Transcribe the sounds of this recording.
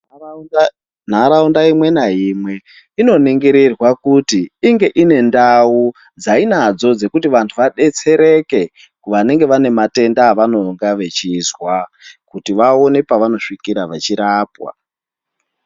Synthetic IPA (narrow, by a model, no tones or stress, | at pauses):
n̤aɾaundaimwe̞naɦiːmwe̞ | ino̞niŋɡeɾerwakutiiŋɡe̞ʔine̞ndau | d͡zainad͡zo̞d͡ze̞kutiʋantʰuʋaɗe̞t͡se̞ɾe̞ke̞ | kuʋane̞ŋɡe̞ʋane̞mate̞ndaʋano̞ŋɡaʋe̞t͡ʃizwakutiʋao̞nepaʋano̞ʂikiɾaʋat͡ʃiɾaːpwa̰